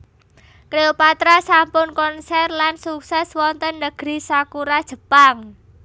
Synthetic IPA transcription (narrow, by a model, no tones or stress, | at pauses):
kɾeopat̪ɾasampʊnkɔnsɛrlansuksɛswɔnt̪ənːəɡ̥ɾisakuɾad̥ʒ̥ə̤paŋ